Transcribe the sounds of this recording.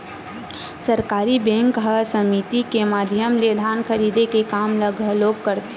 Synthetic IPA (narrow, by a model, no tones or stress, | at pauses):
səɾkaːɾibɛ̃ŋkɦəsəmit̪ikemaːd̪ʱjəmled̪ʱaːnkʰəɾiːd̪ekekaːmləɡʱloːɡ̚kəɾt̪